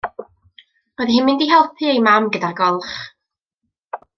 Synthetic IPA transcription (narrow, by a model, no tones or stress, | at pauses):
rɔðɦɪnmɪndiɦɛlˠpʰɨejmamɡədaɡɔlˠχ